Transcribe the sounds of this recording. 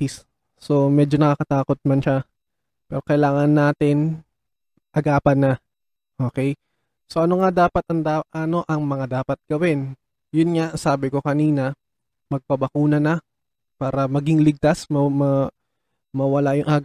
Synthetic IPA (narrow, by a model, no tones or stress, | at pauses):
is | so̞mɛːd͡ʒonɐkakɐt̪aːko̞t̪̚mɐnʃa | pɛːɾo̞kɐjlaːŋɐnːaːt̪ɪn | ʔɐɡaːpɐnːɐ | ʔo̞ːkɛj | so̞ʔɐnoŋad̪aːpɐt̪ɐŋd̪aʔɐno̞ʔɐŋmɐŋad̪aːpɐt̪̚ɡ̥ɐwɪn | jʊnŋaʔsaːbɪko̞kɐniːnɐ | mɐɡ̚pɐbɐkuːnɐnɐ | paːɾɐmɐɡɪŋlɪɡ̚t̪asmɐmɐ | mɐwɐlajʊŋʔaɡ